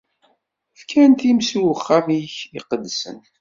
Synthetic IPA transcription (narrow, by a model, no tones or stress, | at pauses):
fkʰænt̪imsiwəχːamiçiqəd̪ːsə̰n